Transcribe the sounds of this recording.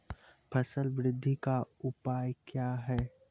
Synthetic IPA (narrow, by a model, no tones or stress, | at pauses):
pʰəsəlʋɾɪd̪ʱːikaʊpaːjkjaːɦɛː